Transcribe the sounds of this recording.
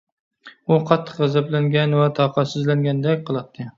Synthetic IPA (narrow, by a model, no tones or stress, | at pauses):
ʊqʰɑt̪ʰːɨ̥qʁɨzablaŋɡʲanvat̪ʰɒqʰɑsɪzlaŋɡʲand̪akʲqʰɨlˠɑt̪ʰːɪ